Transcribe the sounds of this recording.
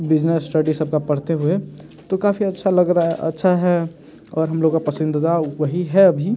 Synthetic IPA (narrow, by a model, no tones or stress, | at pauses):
bɪd͡ʒnesːʈəɖisəb̚kapəɽ̤t̪eɦue | t̪okaːpʰiɐtːʃʰaləɡɾaə̰tːʃʰaɦɛ | ɔːɾɦɐmloːɡkapəsɪnd̪d̪awəɦiɦɛɐbʱi